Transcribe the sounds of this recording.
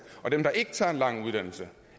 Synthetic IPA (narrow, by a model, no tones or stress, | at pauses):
ɒ̽d̥emd̥ɑ̈ʔe̝ɡ̥ə̥t͡sʰɑ̈ːe̝nlɑ̈ŋ̰uð̞ˠd̥æn̰l̩sə